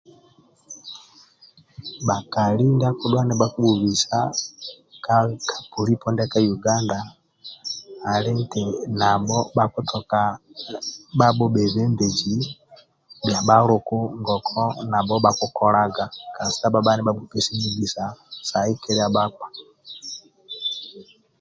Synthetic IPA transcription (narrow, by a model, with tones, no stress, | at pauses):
ɓa˨ka˨li˦nda˦ku˨ɗwa˦nɛ˨ɓa˦ku˦ɓu˨βi˨sa˦ | ka˦kʰḁ˨pu˨ɾi˦pɔ˦ndɛ˦ka˦ju˨ɡa˦nda˨ | li˦ŋtɛ˨na˨bɔ˦ba˦ku˦tʰɔ˨ka˨ | ba˦ɓɔ˦ɓɛ˨βɛ˦mbe˨d͡ʒi˨ | bja˨ɓa˦lu˨ku˦ŋɡɔ˨kʰɔ˦na˨bɔ˦ɓa˦ku˦kɔ˦la˦ɡa˨ka˨nsi˦a˦ba˦ɓa˦nɛ˦ɓa˦bu˨pɛ˨si˦mi˦ɡi˨sa˨sa˨i˦kɛ˦ɾɛ˦a˨ɓa˦k͡pḁ˨